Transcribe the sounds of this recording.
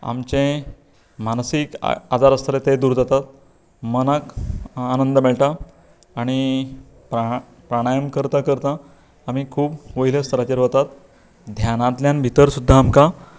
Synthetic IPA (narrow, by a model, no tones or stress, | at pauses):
a̰mt͡ɕẽ | mansikad͡zaɾəst̪ʰəɾet̪ed̪uːɾd͡zat̪at̪̚ | mənakanənd̪əmeɭʈaː | ɽ̃i | pɾa | pɾaɽ̃ajəmkəɾt̪akəɾt̪aː | m̤iːkʰuːpʋəilest̪ʰəɾat͡ɕeɾɦot̪at̪ | d̪ʱjanãt̪ljanbʱit̪əɾsud̪ʱːaːmka